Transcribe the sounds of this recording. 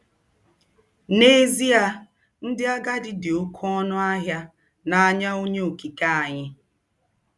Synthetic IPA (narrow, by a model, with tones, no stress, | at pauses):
ne˦zi˦a˦ | n̩˦dɪ˦a˦ɡa˦dɪ˨dɪ˨o˦kʰɔ˦nʊ˦a˦ɦja˦ | na˨a˨ɲa˦o˦ɲe˦o˨ki˨ka˦a˨ɲɪ˦